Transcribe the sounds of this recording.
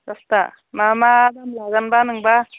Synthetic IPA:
kast̪a | mamad̪amlaɡanbanɯŋba

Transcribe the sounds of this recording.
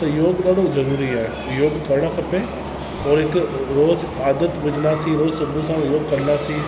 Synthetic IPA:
t̪ɐjoːɡɗaːɽ̤ʱod͡ʒɐɾuːɾiaːɦe | joːɡt̪ʰɐɾɽ̃akʰɐpe | ɔːɾɦɪkɾoːz | aːd̪ət̪ʋʊd͡ʒɽasiɾoːzsɐbʱusãjoːɡ̚kɐɾnasi

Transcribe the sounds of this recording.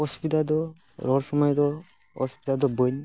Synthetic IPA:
ɔspitad̪ɔ | ɾɔɾsɔmɔjd̪ɔ | hɔ̰spit̪ad̪ɔbɔjn

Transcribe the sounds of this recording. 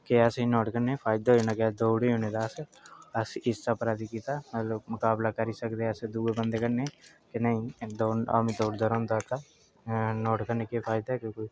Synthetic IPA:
keɛːseinɔːʈkəɾnepʰaːɪd̪aonakead̪oːɽeoned̪aːsɐsɪst͡ʃapɾaːd̪ikiːt̪amɐt̪ləbmʊkaːblakəɾisəkd̪eɛsed̪uːebənd̪ekəɾne | kenɐĩd̪oːa̰mĩd̪oːɽd̪əɾõːnd̪aːt̪a | nɔːʈkəɾnekepʰaːɪd̪aɦkokoi

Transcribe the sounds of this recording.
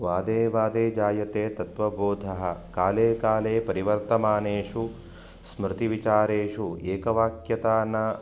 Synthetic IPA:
ʋaːd̪eːʋaːd̪eːd͡ʒaːjɐt̪eːt̪ɐt̪ʋɐboːd̪ʱɐɦɐ̆kaːleːkaːleːpɐɾiʋɐɾt̪ɐmaːneːʂu | smɾɪt̪iʋit͡ʃaːɾeːʂueːkɐʋaːkjɐt̪aːnɐ

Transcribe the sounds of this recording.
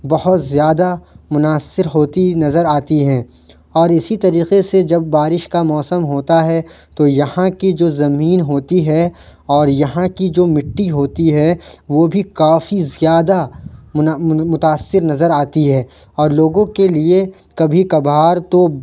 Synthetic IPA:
bɐhʊt̪zjaːd̪amʊnaːsɪɾɦoːt̪inɐzəɾaːt̪iɦɛ̃ː | ɔːɾɪsit̪ɐɾiːqesed͡ʒɐbːaːɾɪʃkamɔːsəmɦoːt̪aɦɛ | t̪ojɐhãkid͡ʒoːzɐmiːnɦoːt̪iɦɛ | ɔːɾjɐɦãkid͡ʒoːmɪʈːiɦoːt̪iɦɛʋoːbʱikaːfizjaːd̪a | mʊt̪aːsːɪɾnɐzəɾaːt̪iɦɛː | ɔːɾloːɡõkelie | kɐbʱikɐbɦaːɾt̪o

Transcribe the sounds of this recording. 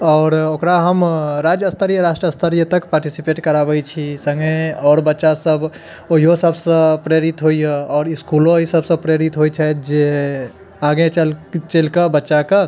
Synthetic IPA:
ɔːɾokɾaɦəmɾad͡ʒəst̪ʰəɾijəɾasʈɾəəst̪ʰəɾijət̪əkpaːɾʈisipeʈkəɾabəjt͡ʃʰisə̃ŋɡẽɔːɾbətːʃasəb | oɦiɦosəbsə̃pɾeɾit̪ɦoijeɔːɾiskulõɦisəbsə̃pɾeɾit̪ɦojt͡ʃʰɛjt̪̚d͡ʒe | aɡẽt͡ʃəlt͡ʃelkəbətːʃakə

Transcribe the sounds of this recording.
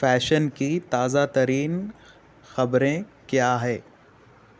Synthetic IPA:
fɛːʃənkit̪aːzat̪ɐɾiːn | xɐbɾẽkjaːɦɛː

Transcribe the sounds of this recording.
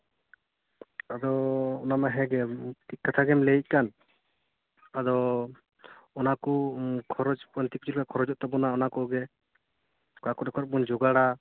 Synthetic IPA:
ad̪ɔɔnamaɦɛɡɛt̪ikat̪ʰaɡɛmlɛic̚ˀkan | ad̪ɔ | ɔnakɔkʰɔɾɔd͡ʒpɔnt̪ikut͡ʃʰulkakʰɔɾɔd͡ʒɔʔt̪ɛbɔnaɔnakɔɡɛ | kakɔɾɛkʰɔɾɔbɔnd͡ʒɔɡaɽa

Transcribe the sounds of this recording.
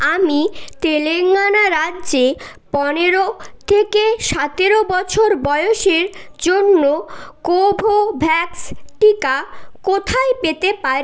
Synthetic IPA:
amit̪eleŋːanaɾadːʑe | pɔneɾot̪ʰekeʃat̪eɾobɔt͡ɕʰoɾbɔjoʃeɾd͡ʑonːokowbʱobʱɛksʈikakot̪ʰajpet̪epaɾi

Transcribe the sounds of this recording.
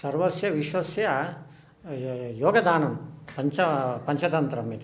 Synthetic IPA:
sɐɾʋɐsjɐʋiʃwɐsjɐ | joːɡɐd̪aːnɐmpɐɲt͡ʃɐpɐɲt͡ʃɐt̪ɐnt̪ɾɐmit̪

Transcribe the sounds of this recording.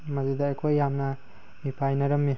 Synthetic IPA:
mɐzidaːkʰojːamnɐ | mipʰajnɐɾɐmːi

